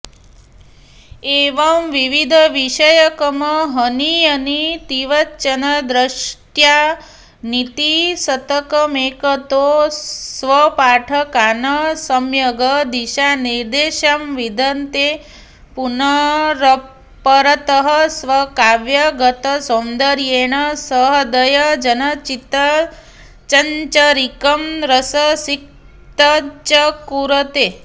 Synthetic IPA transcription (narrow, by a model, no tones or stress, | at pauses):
eʋɐmʋiʋid̪ʱəʋiʃəjəkəməɦəniɐnit̪iʋɐtːt͡ʃənəd̪ɾəʃʈja | nit̪isɐt̪əkəmekət̪osʋəpaʈʰɐkanəsəmjɐɡəd̪iʃaniɾd̪eʃamʋid̪ʱɐnt̪e | punɐɾɐ | pəɾɐt̪əɦɐsʋɐkaːʋjɐɡɐt̪ɐsond̪əɾjeːɳ̃ɐsəɦɐd̪ɐjɐd͡ʒɐnɐt͡ʃit̪ɐ | t͡ʃɐɲt͡ʃɐɾikɐmɾɐsɐsik̚ | t̪ɐt͡ʃɐkuɾɐt̪eː